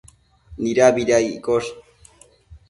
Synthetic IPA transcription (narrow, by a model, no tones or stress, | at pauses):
niɾabiɾajikoʃ